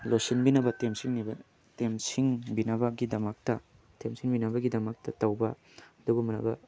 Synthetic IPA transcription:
losinbinɐbɐtemsiŋnibɐ | temsiŋbinɐbɐɡidɐmɐk̚tɐ | temsiŋbinɐbɐɡidɐmɐk̚tɐtɐwbɐ | ɐdubumːɐnɐ̰bɐ̰

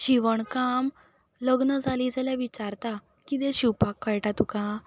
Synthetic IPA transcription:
ɕiʋəɳkam | ləɡnəd͡zʱaliːd͡zaljaʋit͡ɕaɾt̪a | kid̪eɕipakːəjʈat̪ukã

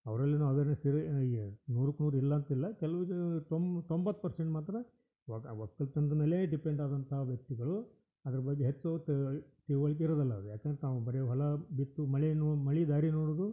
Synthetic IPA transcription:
ɐ̰ʋɐɾɐlːinaːʋɐʋeːɾnɐsiɾenuːɾukːnuːɾilːɐːnt̪ɐilːɐkɛlɐʋut̪omt̪ombɐt̪ːpɐɾseɳʈmaːt̪ɾɐ | ʋʋɐkːɐlt̪ɐnd̪ɐnɐlːeːɖipeɳɖaːd̪ɐnt̪ɐɦɐʋjɐk̚t̪iɡɐɭu | ɐd̪ɐɾɐbɐɡːeɦet͡ʃːot̪ʈiːʋɐɭik̬ːeiɾoːd̪ɐlːɐd̪ujaːkɐnd̪ɾet̪aːʋubɐɾejɦɔlɐbit̪ːumɐɭinmɐɭid̪aːɾinoːɽod̪u

